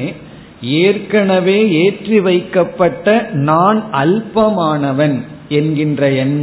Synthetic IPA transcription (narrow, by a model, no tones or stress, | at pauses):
eːrkɐnɐʋeːeːʈriʋɐɪkːɐpːɐʈːɐnaːnʔɐlpɐmaːnɐʋɐn | ɛnɡɪndrɐɛnm